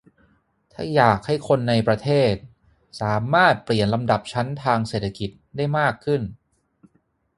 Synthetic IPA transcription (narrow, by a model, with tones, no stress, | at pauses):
t̪ʰa̰ː˥˩jaː˨˩k̚ha˥˩jkʰo˧nːa˧jpɾa˧t̪ʰeː˥˩t̪̚ | saː˩˦maː˥˩t̪̚pli˨˩ənla˧mda˨˩p̚t͡ɕʰa˦˥nt̪ʰaː˧ŋseː˨˩t̪ʰːa˧ki˨˩t̪̚daː˥˩jmaː˥˩kʰːɯ˥˩n